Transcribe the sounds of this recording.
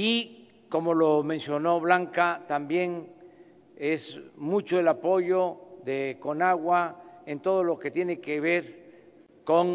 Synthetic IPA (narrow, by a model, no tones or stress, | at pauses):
i | ko̞mo̞lo̞mensjo̞no̞βlaŋkat̪ambje̞ŋ | e̞smut͡ʃoelapo̞ʝo̞ðeko̞naɣwaent̪o̞ð̞o̞loke̞t̪je̞ne̞keβ̞e̞ɾ | ko̞ŋ